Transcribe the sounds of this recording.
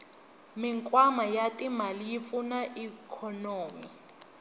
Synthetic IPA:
miŋkʼwamajatʼimalijip̪funaʔikʰɔnoːmi

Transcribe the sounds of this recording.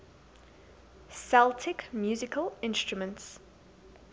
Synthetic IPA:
sɛlˠtʰɪkmjuːzɪkʰəlɪ̃nstɹumə̃nts

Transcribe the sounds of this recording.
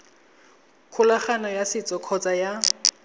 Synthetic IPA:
kʰʊlaχanɔjasɪt͡sʼɔkʰɔt͡sʼaja

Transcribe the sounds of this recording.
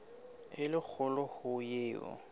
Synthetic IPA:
ɪlɪk͡xʰʊlɔhʊjeːɔ̰

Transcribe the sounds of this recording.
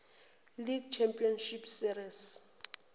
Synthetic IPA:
liɡ̚t͡ʃʰɛmpʼiɔnʃipsiɾis

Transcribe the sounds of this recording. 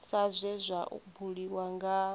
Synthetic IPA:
sazʷɛzʷaʔṵkubuɺiwaŋɡa

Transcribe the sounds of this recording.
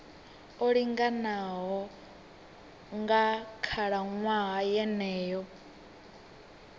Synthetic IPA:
oɺiŋɡanaɦɔ | ŋɡakʰaɺaŋwaɦajɛnɛːjɔ

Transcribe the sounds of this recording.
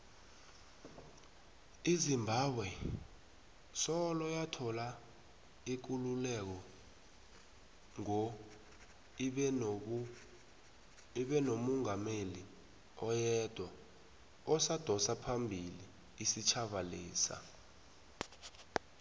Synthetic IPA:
izimbʱaɓwɛ | sɔlɔjatʰɔla | ik̬ululɛk̬ɔ | ŋɔ | iɓɛnomɔŋameli | ɔjɛd̥ʱwa | ɔsad̥ʱɔsapʰambʱiliː | sit͡ʃʰaɓalḭːsa̰

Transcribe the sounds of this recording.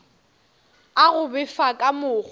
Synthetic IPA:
aɣʊbɪfakʼamʊːχ

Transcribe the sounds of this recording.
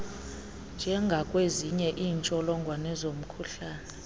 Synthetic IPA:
nd͡ʒʱɛŋɡʱakʼweziɲɛʔiːnt͡ʃʼɔlɔŋɡʱwanɛzom̩kʰuɬaːnɛ

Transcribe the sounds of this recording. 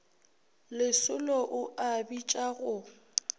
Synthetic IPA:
lɪsʊlɔʔʊʔabit͡ʃʼaɣʊ

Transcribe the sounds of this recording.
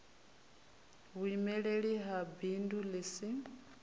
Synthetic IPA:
ɣimɛɺeɺiɦabindulisi

